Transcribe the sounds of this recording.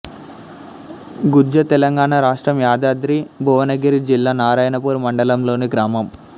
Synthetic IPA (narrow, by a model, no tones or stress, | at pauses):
ɡud͡ʒɐt̪ɛlɐŋɡaːɳaɾaːʂʈɾɐmjaːd̪aːd̪ɾibʱɔːʋɐnɐɡɐɾid͡ʒilːaːnaːɾaːjɐnɐpuːɾumɐɳɖɐlɐmlo̞ːniɡɾaːmɐm